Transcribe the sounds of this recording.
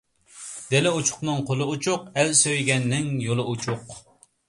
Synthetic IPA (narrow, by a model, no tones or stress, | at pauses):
d̪̥elɪut͡ʃʰʊ̥χnɨŋqʰolˠɨut͡ʃʰʊqɛlsøjɡʲɛnːɪŋjolˠɨut͡ʃʰʊq